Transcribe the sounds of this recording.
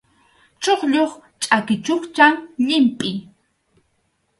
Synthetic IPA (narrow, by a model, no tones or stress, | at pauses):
t͡ʃoχʎoχt͡ʃʼakɪt͡ʃoχt͡ʃaŋʎɪmpʼɪj